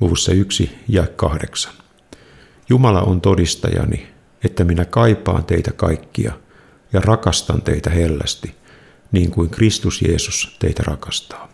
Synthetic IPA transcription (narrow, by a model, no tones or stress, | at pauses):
luʋusːɑyksijɑekkɑhdeksɑ̥n | jumɑlɑ̰ʔont̪odist̪ɑjɑ̰ni | et̪ːæminækɑipˑɑ̰ːnt̪eit̪ækɑikːiɑ̰ | jɑrɑkɑst̪ɑnt̪e̞̰it̪æhelːæ̰st̪i | niːŋkuiŋkrist̪usje̞̰ːsust̪e̞it̪ærɑkɑst̪ɑ̥ː